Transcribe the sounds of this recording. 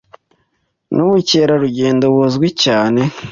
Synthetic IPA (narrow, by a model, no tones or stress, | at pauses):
nuβuceːɾaɾuɟe̞ːndowozɡwicaːne̞